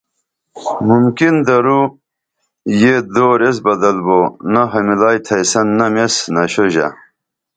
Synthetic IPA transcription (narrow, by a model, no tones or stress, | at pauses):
mumkind̪ɐɾu | jed̪oːɾes̬bɐd̪ɐlbonɐɦɐmilaːjt̪ʰɐjsɐnːɐmesnɐɕoʑa̰